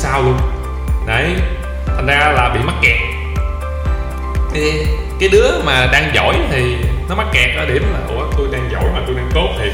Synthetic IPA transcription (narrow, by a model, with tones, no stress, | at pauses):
saː˧wlu˧ən | ɗə̰˧˨˩j | t̪ʰə˨˩ŋ̟zaː˧laː˨˩ɓḭ˧˨ma˦˥t̚kɛː˨˩k̚ | kaː˨˦jɗɨ˨˦əmaː˨˩ɗaː˧ŋzɔ̰˧˩˨jt̪ʰi˨˩nɔ˨˦ma˦˥t̚kɛː˨˩k̚ɗɔ˨˦ɗi˧˩əmlaː˨˩ko̰˧˩t̪o˧jɗaː˧ŋzɔ̰˧˩jmaː˨˩t̪o˧jɗaː˧ŋt̪o˦˥t̚t̪ʰi˨˩